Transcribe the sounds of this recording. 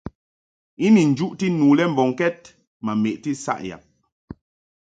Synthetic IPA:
i˦ni˨n̩˨d͡ʒu˦ʔti˦nu˨lɛ˦m˨bɔ˨ŋkɛ˦t̚ | ma˨me˨ʔti˦sa̰˦˨ʔja̰˨p̚

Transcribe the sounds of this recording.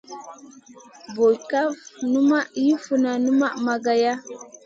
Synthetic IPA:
bo˨jka˦vnu˦ma˦ʔji˦fu˨na˨nu˦ma˦ʔma˨ɡa˨ja˦

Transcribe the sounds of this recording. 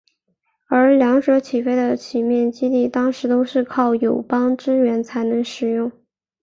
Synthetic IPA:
ə˞˧˥ljɑ˧˥ŋʂwɤ˧˥t͡ɕʰi˨˩fe˥ɪd̪ə˨t͡ɕʰi˨˩mjɛ˥˩nt͡ɕi˥t̪i˥˩t̪ɑ˥ŋʂɻ̩˧˥t̪o˥ʊʂɻ̩˥˧kʰɑ˥˩ʊjo˨˩ʊpɑ˥ŋʈ͡ʂɻ̩˥ɥɛ˧˥nt͡sʰa˧˥ɪnɤ˧˥ŋʂɻ̩˨˩jʊ˥˩ŋ

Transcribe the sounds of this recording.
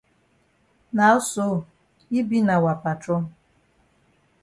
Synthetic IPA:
na˨˦ʊ˦so˦˨ | i˦bi˦na˨wa˨pa˨tɔ˦

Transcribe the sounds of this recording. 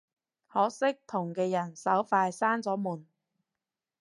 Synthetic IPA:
hɔː˨˥sɪ˥k̚t̪ʰʊ˨˩ŋkɛː˧jɐ˨˩nsɐ˨˥wfaː˧jsaː˥nt͡sɔː˨˥muː˨˩n

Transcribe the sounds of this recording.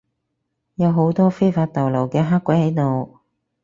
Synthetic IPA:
jɐ˨˧wɦo˨˥wt̪ɔː˥fe˥jfaː˧t̚t̪ɐ˨˩wlɐ˨˩wkɛː˧ɦaː˥kʷːɐ˨˥jhɐ˨˥jt̪o˨w

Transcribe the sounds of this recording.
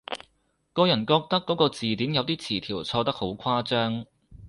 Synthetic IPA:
kɔː˧jɐ˨˩nkɔː˧k̚t̪ɐ˥kːɔː˨˥kɔː˧t͡siː˨t̪iː˨˥mjɐ˨˧wt̪iː˥t͡sʰiː˨˩t̪ʰiː˨˩wt͡sʰɔː˧t̪ɐ˥k̚ho˨˥wkʰaː˥t͡sœː˥ŋ

